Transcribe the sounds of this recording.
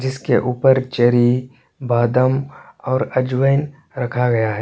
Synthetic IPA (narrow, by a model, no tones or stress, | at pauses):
d͡ʒɪskeʔuːpəɾt͡ʃɐɾi | baːd̪əmɔːɾɐd͡ʒʋəɪn | ɾɐkʰaɡɐjaɦɛ